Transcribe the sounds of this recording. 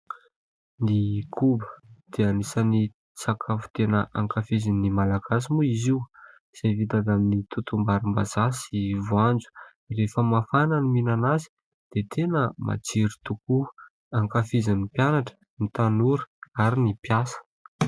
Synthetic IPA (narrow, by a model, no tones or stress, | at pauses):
nikʰubə̥d̪̥eanisani | t͡sakʰafu̥t̪enəʔaŋkafizinimalaɡasimuiziw | z̥evit̪aɡ̪aminit̪ut̪umbaɾimbazasivuand͡zu̥ | refəmafananiminanazi̥ | d̪̥et̪ʰenəma̰t͡siɾit̪uku | aŋkafizinipjanaʈ͡ʂə̥ | nit̪anuɾi̥aɾinipjasə̥